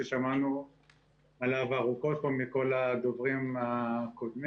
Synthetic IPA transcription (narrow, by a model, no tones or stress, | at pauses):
eʃamanu | alavaʁukot̪̚pomiko̞lad̪ovʁimakod̪m